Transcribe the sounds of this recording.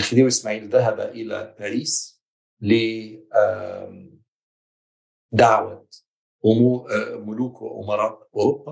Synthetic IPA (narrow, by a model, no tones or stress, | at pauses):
ɪlxɪd̪iːwʔɪsmaːʕiːlðaɦaba̰ʔɪla̰paɾiːs | lɪ | d̪aʕwa | ʔʊmuːmʊluːkw̰ʔʊ̰mɑɾˤɑːʔʔʊɾʊbːa